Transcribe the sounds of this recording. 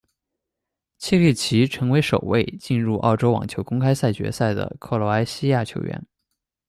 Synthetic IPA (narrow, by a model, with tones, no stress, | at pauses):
t͡ɕʰɛ˥˧li˥˩t͡ɕʰi˧˥ʈ͡ʂʰɤ˧˥ŋwe˧˥ɪʂo˨˩ʊwe˥˧ɪt͡ɕi˥˧nɻu˥˩ʔɑ̰˥˩ʊʈ͡ʂo˥ʊwɑ̰˨˩ŋt͡ɕʰjo˧˥ʊkʊ˥ŋkʰa˥ɪsa˥˩ɪt͡ɕɥɛ̰˧˥sa˥˩ɪd̪ə̰˩kʰɤ˥˩lwɔ˧˥a˥ɪɕi˥ja˥˩t͡ɕʰjo˧˥ʊɥɛ̰˧˥n